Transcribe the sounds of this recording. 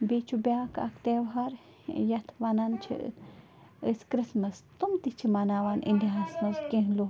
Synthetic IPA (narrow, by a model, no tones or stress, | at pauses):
bit͡ʃʰubjaːkɐ̰kt̪eʋɦɐɾ | jɐt̪ʰʋɐnɐnt͡ʃʰḭ | əskɾismɐst̪umt̪it͡ʃʰimanaːʋanʔḭndʲiɦɐsmɐskẽɦlo